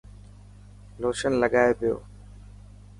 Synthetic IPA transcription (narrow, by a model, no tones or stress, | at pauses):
loːʃənləɠaːepɪjo̰ː